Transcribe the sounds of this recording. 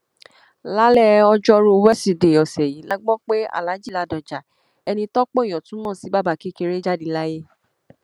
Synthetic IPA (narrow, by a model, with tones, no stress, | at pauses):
la˦lɛ˦˧ɔ˧d͡ʒɔ˦ɾu˦wɛ˦si˨de˨ɔ˨sɛ˨jĩ˨˦la˦ɡ͡bɔ̃˦k͡pe˦a̰˦˨la˨˦d͡ʒi˦˨la˧˦dɔ˨d͡ʒa˨ | ɛ˧nĩ˧tɔ˦k͡po˦ĩ˨ɔ̃˨tũ˨˦mɔ̃˦˨si˨˦ba˦˨ba˧˨ki˦ke˧ɾe˦d͡ʒa˦di˧la˦je˦